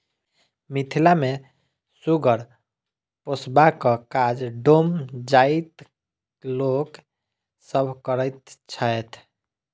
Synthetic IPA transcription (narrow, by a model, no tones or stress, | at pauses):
mit̪ʰilame | suɡəɾ | posbakəkad͡ʒɖomd͡ʒait̪ | lok | səbʱkəɾət̪t͡ʃʰəjt̪ʰ